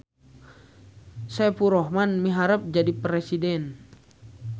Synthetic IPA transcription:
sɛpuɾɔɦmanmiɦaɾəp̚d͡ʒadipɾɛsidɛn

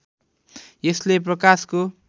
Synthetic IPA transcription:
jeslep̬rʌkasko

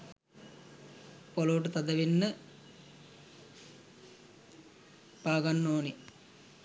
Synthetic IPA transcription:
poloʋʈət̪ɐd̪ɐʋinːə | paːɡanːoːni

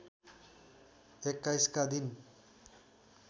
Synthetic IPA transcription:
ekːajskad̪in

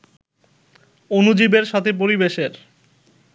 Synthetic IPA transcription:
onud͡ʑibeɾʃat̪ʰep̬oɾibeʃeɾ

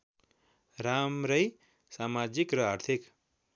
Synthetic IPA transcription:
ramɾʌj | samad͡zikrʌaɾt̪ʰik

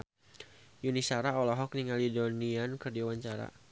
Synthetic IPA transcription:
junisaɾaɔlɔɦɔk̚niŋalidoniankərdiawaɲt͡ʃaɾa̰

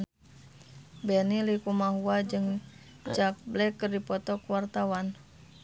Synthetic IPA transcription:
bɛnilikumaɦuad͡ʒɨŋ | t͡ʃak̚blɛkːɨrdipɔt̪ɔkuwart̪awan

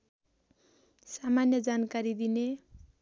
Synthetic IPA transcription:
samanjʌd͡zankaɾid̪ine

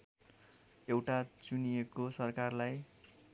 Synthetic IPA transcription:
ewʈat͡sunijekosʌrkarlaj

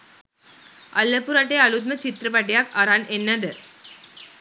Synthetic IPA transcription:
ʔɐlːɐpːuɾaʈːeɐɭut̪̬̚mɐt͡ʃit̪ɾɐpɐʈːɪjaːkɐɾaːnɛnːɐd̪ɐɾ

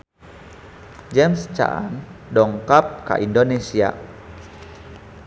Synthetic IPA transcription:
d͡ʒɛmst͡ʃa̰ʔa̰ndɔŋkap̚ka̰ʔindonesia̰

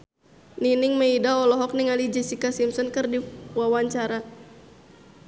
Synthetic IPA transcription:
ninɪŋməidaɔlɔɦɔk̚niŋalid͡ʒɛsikasimsɔnkɨrdiwawaɲt͡ʃaɾa

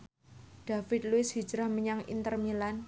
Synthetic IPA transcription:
ɖ̥a̤fɪt̪̚luɪshi̥d͡ʒɾahməɲaŋḭnt̪ərmilan

